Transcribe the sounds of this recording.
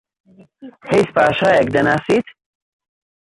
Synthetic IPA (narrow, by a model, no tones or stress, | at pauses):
hejspaːʃaːjɛk̚d̪ɐnaːsiːt̪